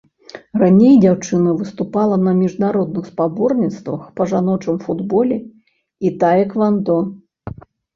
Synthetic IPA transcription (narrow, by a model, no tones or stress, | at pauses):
ranʲejd͡zʲawt͡ʂɨnɐvɨst̪upalˠɐnɐmʲiʐnaɾɔd̪̚nɨxspabɔrnʲit̪st̪vɐxpɐʐanɔt͡ʂɨmfud̪bɔlʲɛ | it̪ajɛkvand̪ɔ